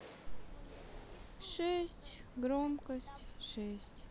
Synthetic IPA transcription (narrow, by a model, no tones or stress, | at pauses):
ʂɛsʲtʲɡromkɐsʲtʲʂɛsʲtʲ